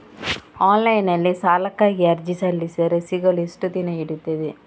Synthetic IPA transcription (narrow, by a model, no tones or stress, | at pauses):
aːnlɐjɪnɐlːisaːlɐkːaːɣiɐɾd͡ʒisɐlːisɐɾɐsiɣɐlisʈɯt̪ːinɐɛɽɯt̪ːɐðɯ